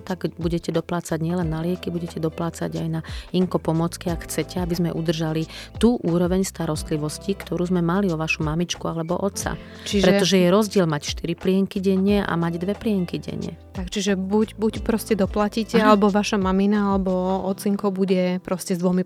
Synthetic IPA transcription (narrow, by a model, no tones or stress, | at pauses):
t̪aɡbuɟɛcɛd̪ɔplaːt͡saɟɲɪɛlɛnːalɪɛkibuɟɛcɛd̪ɔplaːt͡sa̰ɟa̰jnaiŋkɔpɔmɔt͡skiakxt͡sɛcɛabizmɛʔud̪r̩ʒalit̪uːʔuːɾɔʋɛɲst̪aɾɔst̪liʋɔscikt̪ɔɾuːzmɛmaliɔʋaʃumamit͡ʃkualɛbɔʔɔt̪t͡sa̰ | t͡ʃiʒpɾɛt̪ɔʒɛjɛɾɔzɟɪɛlmacʃt̪iɾiplɪɛŋkiɟɛɲːɛʔa̰maɟd̪ʋɛplɪɛŋkiɟɛ̰ɲjɛ̰t̪akt͡ʃiʒɛbucbucpɾɔscɛd̪ɔplacicɛalɛbɔʋaʃamaminaalɛbɔɔt͡siŋkɔbuɟɛpɾɔscɛzd̪ʋɔmi